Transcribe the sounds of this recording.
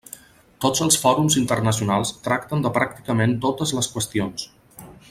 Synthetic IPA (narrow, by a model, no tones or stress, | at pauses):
t̪od͡zəlˠsfɔɾumzint̪ərnəs̬iunalˠst̪ɾakt̪ənd̪əpɾak̚t̪i̥kəment̪ot̪əzləskwəst̪ions